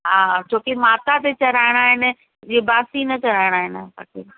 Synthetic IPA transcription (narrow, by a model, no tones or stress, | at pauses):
ɦaːt͡ɕʰoːkemaːt̪at̪et͡ɕɐɾaːɪɽ̃aːɦɪnɪ̆ | d͡ʑiːbaːsinɐt͡ɕɐɾaːɪɽ̃aːɦɪnba̰ːkiː